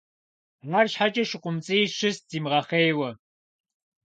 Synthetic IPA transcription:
ʁɐrɕħat͡ʃʼɐʃɪqʷʼʊmt͡sʼɨjʃɪsz̥iːmʁɐχeːjwɐ

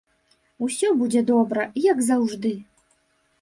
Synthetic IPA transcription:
usʲɔbud͡zʲɛd̪ɔbɾɐjaɡzawʐd̪ɨ

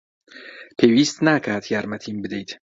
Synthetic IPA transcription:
pʰevist̪nakʰaɾd̪jaɾmat̪ʰimbɪd̪ejd̪

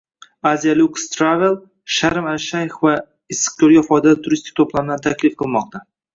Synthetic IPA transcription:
azijalʲˠukst̪ɾavelˠ | ʃaɾɪmalʃajfva | ɪsːɨ̥q̚kʲʰoɾɡʲafɒjd̪alɪt̪ʰʊɾist̪ɪ̥k̚ʲt̪ʰoplˠamd̪ant̪ʰakʲʰlɪfqʰɨlˠmɒq̚t̪ʰa

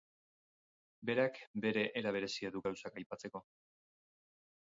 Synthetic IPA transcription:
be̞ɾakbe̞ɾe̞ʔeɾaβ̞e̞ɾe̞siaðuɡawsakajpat͡se̞ko̞

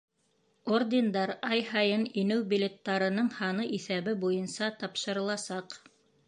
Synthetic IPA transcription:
ord̪ʲɪnd̪ɑɾɑjhɑjɤninɘwbʲɪlʲet̪ːɑɾɤ̆nɤɴhɑnɤʔiθæβɘbujɤnsɑt̪ɑpʃɤ̆ɾɤ̆lˠɑsɑq

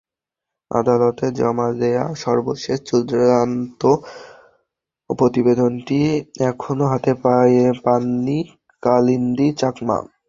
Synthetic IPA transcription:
a̰d̪alot̪ed͡ʑɔ̰mad̪eaʃɔɾboʃeʃt͡ɕod̪ɾant̪o | pɾot̪ibed̪onʈiɛkʰonoɦat̪epajepanːi | kalind̪it͡ɕakma̰

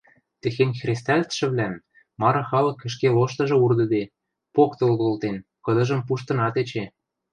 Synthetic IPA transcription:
t̪ĕxenʲxrʲest̪ælʲt̪ʃɘ̆βlæm | mɑɾɤ̆xɑlɤ̆kːə̆ʃ̬keloʃt̪ɤ̆ʒɤ̆urd̪ɤ̆d̪e | pokt̪ɤ̆lɣolt̪en | kɤ̆d̪ɤ̆ʒə̆mp̬uʃt̪ɤ̆nɑt̪et͡ɕe

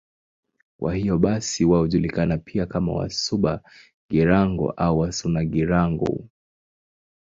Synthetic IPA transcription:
kwʔa̰hijɔɓasiwaɔʄulikanapʰiakama̰wa̰suɓa | ɡiɾaŋɡɔ̰ʔauwasunaɡiɾaŋɡɔ̰

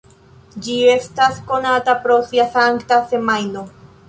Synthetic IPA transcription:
d͡ʒie̞stasko̞natapɾo̞siasaŋktase̞majno̞

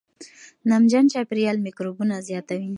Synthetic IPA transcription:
namd͡ʒant͡ʃapɾijɑlmikɾobunazjɑt̪awi

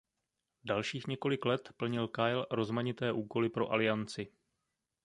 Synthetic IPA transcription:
dalʃiːxɲɛko̞lɪklɛt̪pl̩ɲɪlkajlɾo̞zmaɲɪt̪ɛːʔuːko̞lɪpɾo̞̰ʔalɪant͡sɪ

